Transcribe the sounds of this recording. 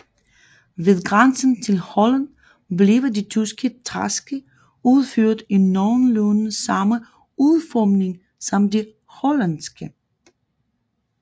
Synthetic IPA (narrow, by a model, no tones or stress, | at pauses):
ʋe̝ðˠɡ̥ʁansən̩t͡sʰe̝lhɔlænd̥ | ble̝ʋɐdit͡sʰysɡ̥ət͡sʰʁasɡ̥ə | uð̞ˠføɐ̰d̥enːɒʊnloːnn̩sɑ̈mə | uðˠfɒmne̝ŋ | sɒ̽mde | hɔlænsɡ̥ə